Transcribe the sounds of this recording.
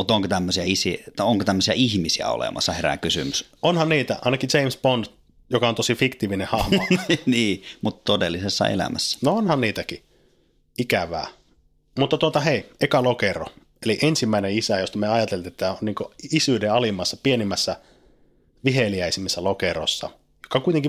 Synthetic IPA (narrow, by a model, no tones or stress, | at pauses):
mut̪oŋkot̪æmːøsiæisioŋkot̪æmːøsiæihmisiæ̰o̰lḛmɑsːɑheræ̰kysymys | onhɑnniːt̪æɑinɑkit͡ʃeimspont̪ | jokɑont̪osifikt̪iːʋinehɑhmɑniːmut̪t̪odelːisesːɑ̰ḛlæ̰mæsːæ̥noonhɑnniːt̪æki | ikæʋæ̰ː | mut̪ːɑt̪uot̪ɑheiekɑlokero̰ | eliʔensimːæineisæjost̪ɑmeɑjɑt̪elt̪iet̪ːæonniːŋkoisyːdeɑlimːˑɑsːɑpienimːæsːæ | ʋiheliæisimːesːælokero̰sːɑ̰ | jokːˑɑkuit̪eŋki